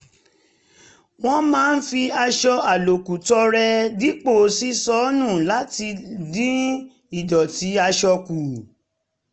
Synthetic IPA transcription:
w̃ɔ̃˦mãː˦n̩˦fi˧a˧ʃɔ˧a˨lo˨ku˨tɔ˧˦ɾɛ˧dĩ˦k͡po˦˨si˦sɔ˦nũ˦˨la˨˦ti˧dĩ˦ | i˦˨dɔ˨ti˨˦a˧ʃɔ˧ku˨

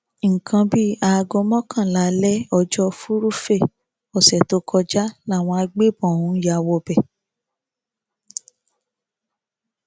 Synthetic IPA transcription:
ŋ̩˨kʰã˧bi˦a˧ɡɔ˧˦mɔ̃˦kã˦˨la˨˦lɛ˦ɔ˧d͡ʒɔ˧˦fu˦ɾu˦fe˦˨ | ɔ˨sɛ˨to˨˦kʰɔ˧d͡ʒa˦la˦˨w̃ɔ̃˧a˧ɡ͡be˦bɔ̃˨ũ˨˦n̩˦ja˧˨wɔ˧˦bɛ˨

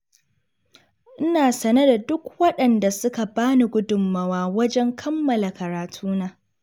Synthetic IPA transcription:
ʔɪ˦naː˨sɐ˨nɐ˦da˨dʊ˦kwɐ˦ɗɐ˨nda˨sʊ˦ka˨baː˦ni˨ɡʷʊ˦dʊ˨mːɐ˨waː˦wɐ˦d͡ʒɛ˦ŋkʰɐ˦mːɐ˨la˨kɐ˨ɾaː˨tʰuː˦naː˦

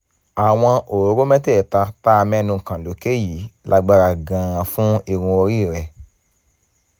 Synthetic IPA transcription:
a˨w̃ɔ̃˧ʔo˨ɾo˨˦ɾo˦mɛ̃˦tɛ˦˨ta˧ta˦˧mɛ̃˦nũ˧˨kã˨lo˨˦ke˦˨ji˨˦lʔa˧ɡ͡ba˧ɾa˧˨ɡã˨˦˨ɾã˧fũ˦i˨ɾ̃ũ˧o˧ɾi˦˨ɾɛ˨

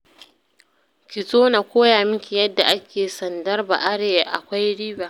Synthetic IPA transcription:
kʲɪ˨sʼoː˦na˨kʷoː˦jaː˨mɪ˦ŋkʲi˨jɐ˦dːa˨ʔa˦kʲʰeː˨sɐ˨ndɐ˦rba̰˨ʔa˦ɽeː˨jʔa˨kʷa˦jɽiː˦baː˨

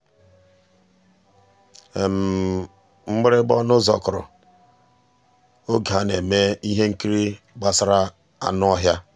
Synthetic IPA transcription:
e˨m̩˨ | ŋ͡m̩˦ɡ͡bɪ˦ɾɪ˦ɡ͡bɔ˦nʊ˦zɔ̰˨kʊ˨ɾʊ̰˨ | o˦ɡa˨ne˨me˦i˦ɦe˦ŋ̩˦ki˦ɾi˦ | ɡ͡ba˦sa˦ɾa˦ | a̰˦nʊ˦ɔ˦ɦja˦

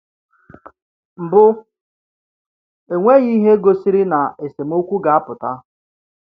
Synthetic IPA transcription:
m̩˨bʊ˦ | e˨ŋʷe˦ɣi˦ɦe˦ɡo˨si˦ɾi˦na˨e˨se˨m̩˦o˦kʷu˦ɡa˨a˦pʊ˨ta˦

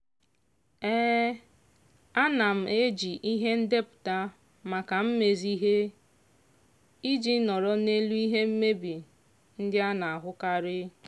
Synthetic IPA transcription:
eː˦ | a˦na˨m̩˨e˦d͡ʒi˨ʔi˦ɦe˦n̩˦de˦pʊ̥˨ta˦ | ma˨ka˨m̩˦me˨zi˦ɦe˦ | i˦d͡ʒi˦nɔ˨ɾɔ˦ne˦lu˦i˦ɦe˦m̩˦me˦bi˨ | n̩˦dɪ˦a˦na˨a˨ɦʊ˦ka˦ɾɪ˦

